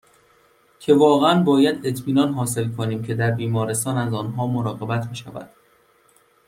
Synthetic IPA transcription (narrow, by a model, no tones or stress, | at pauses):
cʰe̞vɒːɣeænbɒːjæd̪e̞t̪ʰmiːnɒːnɦɒːse̞lkʰoniːmcʰe̞d̪æɾbiːmɒːɾe̞st̪ɒːnæzɒːnɦɒːmoɾɒːɣe̞bæt̪ʰbeʃæ̰væ̰d̪̥